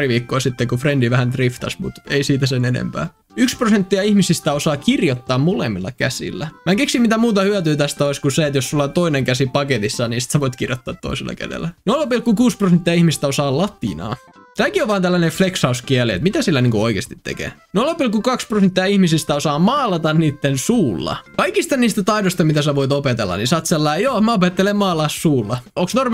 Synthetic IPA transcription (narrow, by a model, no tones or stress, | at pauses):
priʋiːkːoːsit̪ːekufrendiʋæhænt̪rift̪ɑ̰smṵt̪eisiːt̪æsenenḛmpæ̰ː | yksprosent̪ːiɑihmisist̪æosɑːkirjot̪ːɑːmmolḛmːilːɑ̰kæsḭlːæmækeksimit̪æmuːt̪ɑhyæt̪yːt̪æst̪æoiskuseet̪jossulːɑt̪oineŋkæsipɑket̪isːɑniːsit̪sæʋoit̪kirjot̪ːɑːt̪ːo̰iselʔɑ̰kæ̰dḛlːænolɑpilkukuːsprosent̪ːiɑihmist̪æosɑːllɑt̪ḭnɑ̰ː | t̪æːkioʋʋɑːnt̪ælːænefleksɑuskiæliḛt̪mit̪æsilːæniːŋkuoikḛːst̪it̪ːḛkḛːnolːɑpilkukɑksprosent̪ːiɑihmisist̪æosɑːmɑːlɑt̪ɑnniːt̪ːensuːlːɑ̰kɑikist̪ɑniːst̪æt̪ɑidost̪ɑmit̪æsæʋoit̪opet̪ḛlːɑ̰nisɑːt̪selːɑijoːmæopet̪ːelemmɑːlˑɑssuːlːɑoŋksnorm